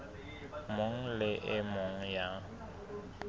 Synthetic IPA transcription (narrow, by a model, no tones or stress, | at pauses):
mʊŋ̩lɪʔɪmʊŋ̩ja